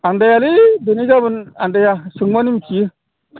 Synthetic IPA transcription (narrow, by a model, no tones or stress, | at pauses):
andajaliduniɡabənandajasuŋwanimki